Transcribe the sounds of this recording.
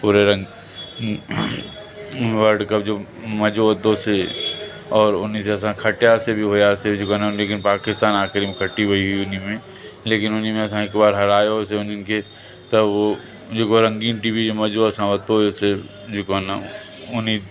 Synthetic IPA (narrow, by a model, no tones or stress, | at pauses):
puːɾeɾɐ̃ŋ | ʋəɾɖkəp̚d͡ʒoː | mɐd͡ʒoət̪õse | ɔːɾʊniseɐsãkʰɐʈjasebʱiɦojased͡ʒʊkonaleːkɪnpaːkɪst̪aːnaːkɾimẽkʰəʈiɦoiɦuiʊnimẽ | leːkɪnʊnimẽɐs̬ãɪkbaːɾɦɐɾaːjoseʊninke | t̪əo | d͡ʒʊkoɾɐ̃ŋɡiːnʈibid͡ʒomɐd͡ʒoəsãʋət̪ojose | d͡ʒʊkəna | ʊni